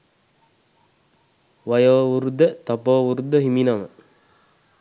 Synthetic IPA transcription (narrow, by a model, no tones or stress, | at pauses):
ʋajoːuɾud̪ət̪apoːʋuɾud̪əɦiminamə̰